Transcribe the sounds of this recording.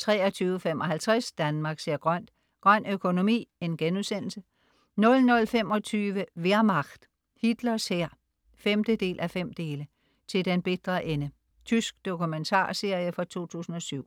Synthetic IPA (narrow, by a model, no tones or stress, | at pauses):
t͡sʰʁɛːɒt͡sʰyːʊəfemɒ̽ɦælt͡sʰʁæsd̥ænmɑ̈ːɡ̥seɐ̰ɡ̥ʁɶn̰d̥ | ɡ̥ʁɶn̰økʰo̝no̝mḭːe̝nɡ̥enuðˠsen̰l̩sə | nɔ̽lnɔ̽lfem̰ɒ̽t͡sʰyːʋəʋeɐmɑ̈ɡ̥d̥ | hid̥lɐsheɐ̰ | femd̥əd̥e̝̰ːlʔæfem̰d̥e̝ːlə | t͡sʰe̝ld̥enb̥e̝d̥ʁɐʔenə | t͡sʰysɡ̥̚d̥o̝kʰument͡sʰɑ̰̈ːse̝ɐ̰jəfɒ̽t͡sʰo̝̰ːt͡sʰṵːsn̩ɒ̽syʊ̰